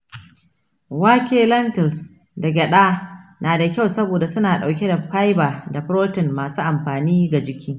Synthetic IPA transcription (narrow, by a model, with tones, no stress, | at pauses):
wa˦kʲeː˦lɐ˦ntɐ˨ls | dɐ˨ɡʲɛ˨ɗaː˦naː˨da˨kʲa˦wsɐ˦boː˨da˨sʊ˦naː˨ɗa˨wk̬ʲe˦da˨ɸa˦jbaː˨da˨ɸɾoː˦tɪ˨nmaː˨suː˦ʔa˨mɸaː˨niː˦ɡa˨d͡ʒɪ˦kʲʰiː˦